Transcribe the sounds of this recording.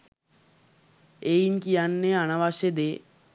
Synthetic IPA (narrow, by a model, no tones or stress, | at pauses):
ejɲkijanːeanaʋaʃed̪e